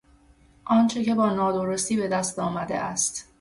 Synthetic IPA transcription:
ʔɒːnt͡ʃʰe̞ce̞bɒːnɒːd̪o̞ɾo̞st̪iːbe̞d̪æst̪ɒːmæd̪e̞̰ʔæst̪

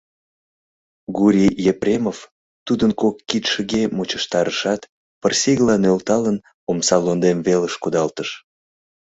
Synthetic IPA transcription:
ɡuɾʲijeprʲemov | t̪ud̪ənkokːit̪ʃəɣemot͡ɕəʃt̪ɑɾəʃɑt̪ | pərsiɣlɑnølt̪ɑlən | omsɑlond̪emveləʃkud̪ɑlt̪əʃ

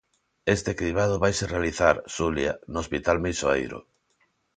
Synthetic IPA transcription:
est̪ekɾiβ̞að̞oβajserealiθaɾsulja̰noːspit̪almejsoḛjɾo̰

